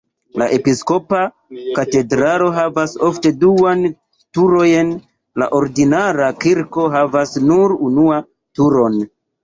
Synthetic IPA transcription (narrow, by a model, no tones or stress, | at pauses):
laʔe̞pisko̞pa | kate̞dɾalo̞ɦavaso̞fte̞duan | tuɾo̞jen | la̰ʔo̞ɾdinaɾakiɾko̞ɦavasnuɾunua | tuɾo̞n